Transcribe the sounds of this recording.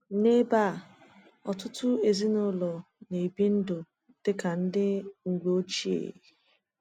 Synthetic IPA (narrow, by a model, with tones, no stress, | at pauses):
ne˦ba˦˨ | ɔ˨tʊ˦tʰʊ˦e˨zi˦nʊ˦lɔ˨ | ne˨bi˦n̩˦dʊ˨ | d̥ɪ˦ka˨n̩˦dɪ˦ŋ̩˨ɡo˦t͡ʃi˦ḛ˨i˨